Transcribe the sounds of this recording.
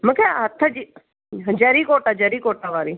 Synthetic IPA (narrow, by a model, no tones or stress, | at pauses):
məkʰeɦɐt̪ʰːəd͡ʒi | d͡ʒɐɾikoːʈad͡ʒɐɾiːkoːʈaʋaːɾiː